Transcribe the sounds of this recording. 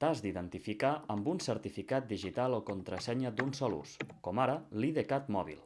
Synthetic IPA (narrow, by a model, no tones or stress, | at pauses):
t̪azd̪iðənt̪ifikaəmbunsəɾt̪ifikat̪̚d̪iʒit̪alˠokont̪ɾəsɛɲəd̪unsɔlṵskɔmaɾəliðekat̪mɔβḭlˠ